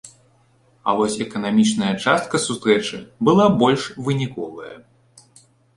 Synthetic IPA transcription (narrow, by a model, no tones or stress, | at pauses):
ɐ̰vɔsʲɛkɐnamʲit͡ʂnɐjɐt͡ʂast̪̚kɐsust̪ɾɛt͡ʂɨbɨlˠabɔlʲʂvɨnʲikɔvɐjɐ̰